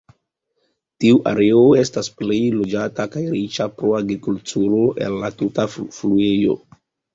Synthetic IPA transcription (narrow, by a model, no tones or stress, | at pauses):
tiuʔa̰ɾe̞o̞e̞stasple̞jlo̞d͡ʒatakajɾit͡ʃapɾo̞aɡɾikultʰuɾo̞ʔe̞̰lːatutafluejo̞̰